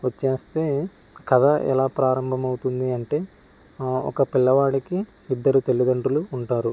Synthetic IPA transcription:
ʋɐt͡ʃːe̞ːst̪e̞ː | kɐd̪ɐʔɛ̰laːpɾaːɾɐmbʱɐmɐwut̪und̪iɐɳʈe̞ː | ɔ̰kɐpilːɐʋaːɽiki | id̪ːɐɾut̪e̞lːid̪ɐɳʈuluːɳʈaːɾu

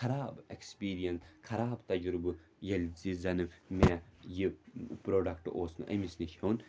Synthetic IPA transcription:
kʰɐɾaːbekspiːɾijɐnskʰɐɾaːbt̪ɐd͡ʒɾubɨ | jɐlʲzizɐnɨmejipɾoːɖɐkʈoːsnɨ̰ʔɐ̰misniʃʲʰoːn

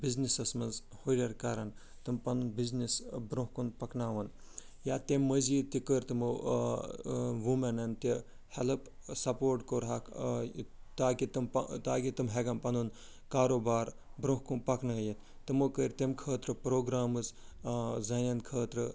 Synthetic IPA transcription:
biznisɐsmɐnz | hoɾʲɐɾkaːɾɐn | t̪ɨmpɐnunbiznisbɾõɦkunpɐknaːʋɐn | jaːt̪emːəziːt̪ikəɾʲt̪ɨmɨ | ʋumɐnɐnt̪i | hɛlɐpsɐpoːɾʈkoɾɦak | t̪aːkit̪ɨmpɐt̪aːkit̪ɨmɦeɡɐmpɐnd̪un | kaːɾoːbaːɾ | bɾõɦkunpɐknɐjin | t̪ɨmokəɾʲt̪emkʰəːt̪ɾɨpɾoːɡɾaːmɨz | zɐnɐnkʰəːt̪ɾɨ

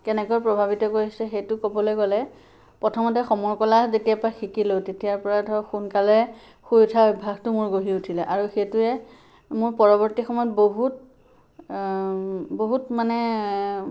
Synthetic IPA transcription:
kɛnɛkɔpɹɔbʱabitɔkojisɛxejtʊkobɔlojɡɔlɛ | pɹɔtʰɔmɔtɛxɔmɔɹkɔlazetijapɔɹaxikilowtetijaɹpɔɹatʰɔxunkalɛ | xujtʰaubʱaɡtʊmʊɹɡoɦiutʰilɛʔaɹuxetuɛ | mʊɹpɔɹɔbɔɹtixɔmɔjɔtboɦut̚ | boɦutmanɛ

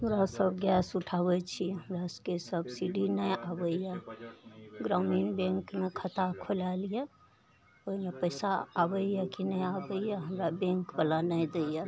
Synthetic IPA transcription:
ɦəmɾasəbɡjɛsuʈʰaβɛt͡ʃʰiɦəmɾaskesəbsiɖinəjabəjɛ | ɡɾaminbẽŋkmekʰət̪akʰolalijɛ | oɦimepəɪsaːbəɛkinəjabəijɛɦəmɾabẽŋkbalanəjd̪ejɛ

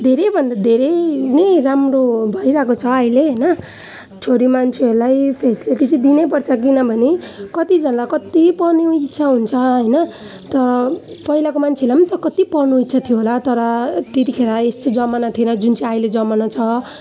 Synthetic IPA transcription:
d̪ʱeɾebʱʌnd̪ad̪ʱeɾenejɾamrobʱʌjɾakot͡sʰʌaileɦʌjnʌ | t͡sʰoɾimant͡sʰeʌɾulajpʰesʈileʈit͡sʌ̃d̪inep̬ʌrt͡sʰʌk̬inʌbʱʌnekʌt̪id͡zʌnlakʌt̪ipʌrnuitːsʰaɦunt͡sʰʌɦʌjnʌ | t̪ʌɾʌpʌilakomant͡sʰelajmant̪ʌkʌt̪ipʌrnuit̪ːsʰat̪ʰijoɦolat̪ʌɾʌt̪et̪ikʰeɾaest̪od͡zʌmanat̪ʰienʌd͡zunt͡sʰiajled͡zʌmanat͡sʰʌ

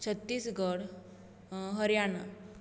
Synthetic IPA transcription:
t͡ɕʰət̪ːiːsɡəɽ | ɦəɾjana

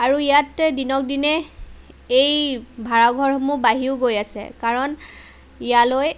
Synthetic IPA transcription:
aɹuijatdinɔk̚dinɛ | ejbʱaɹaɡʱɔɹhɔmubaɦiʊɡojasɛ̰kaɹɔn | ijaloj

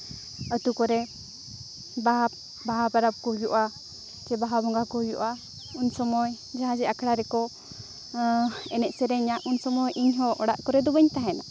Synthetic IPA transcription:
ət̪ukɔɾɛ | baɦa | baɦabaɾap̚kɔɦujuʔa | t͡ʃɛbaɦabɔŋɡakɔɦujuʔa | unsɔmɔj | d͡ʒaɦãd͡ʒɛakʰɽaɾɛkɔ | ɛnɛʔsɛɾɛɲaʔunsɔmɔjʔiɲɦɔʔɔɽa̰ʔkɔɾɛd̪ɔbəɲt̪aɦɛna

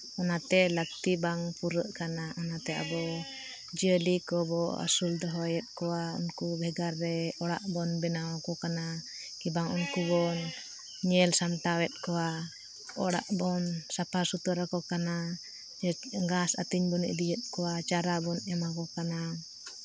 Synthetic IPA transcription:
ɔnat̪ɛlək̚t̪ibaŋpuɾəʔkanaʔɔnat̪ɛa̰bɔ | d͡ʒiəlikɔbɔa̰suld̪ɔɦɔjɛt̪̚kɔwaṵnkubʱɛɡaɾːɛɔɽa̰ʔbɔnbɛnawakɔkana | kibaŋunkubɔn | ɲɛlsamʈ̪awɛt̪̚kɔwa | ɔɽa̰ʔbɔnsapʰasut̪ɔɾakɔkana | ɡasa̰t̪iɲbɔnḭʔd̪ijət̪̚kɔwat͡ʃaɾabɔnɛmakɔkana

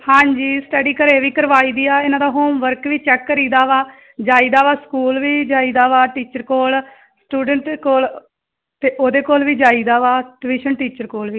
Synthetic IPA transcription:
hãːɲd͡ʒiːsʈəɖiːkəɾeːʋiːkəɾʋaːiːd̪iːaːɪnãːd̪aːɦoːmʋəɾkʋiːt͡ʃɛːkːəɾiːd̪aːʋaː | d͡ʒaːiːd̪aːʋaːskuːlʋiːd͡ʒaːiːd̪aːʋaːʈiːt͡ʃəɾkoːl | sʈuːɖəɳʈkoːl | t̪eːʔoːd̪eːkoːlʋiːd͡ʒaːiːd̪aːʋaːɖɪʋiːʃənʈiːt͡ʃəɾkoːlʋiː

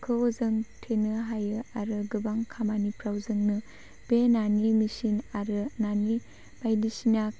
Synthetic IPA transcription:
kʰɯzɯŋtʰenɯɦajɯaɾɯɡɯbaŋkʰamanipʰɾawzɯŋnɯ | b̥enanimisinaɾɯnani | m̥ajdisina

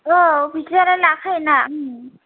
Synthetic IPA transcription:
ɔbʱitɔɾɛlakʰajna

